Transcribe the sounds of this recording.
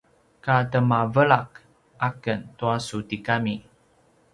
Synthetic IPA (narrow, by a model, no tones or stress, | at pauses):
katəmavəɭak̚ | ʔakəntuasutikami